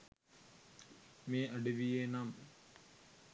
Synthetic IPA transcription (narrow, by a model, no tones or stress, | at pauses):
meːʔɐɖiʋijeːnaːm